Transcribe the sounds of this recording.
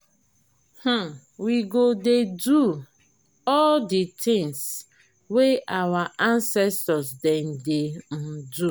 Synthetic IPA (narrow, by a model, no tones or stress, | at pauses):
h̩ | wiɡodedu | ɔlditʰɪ̃ŋs | weʔawaʔãnsɛstɔsden̩den̩du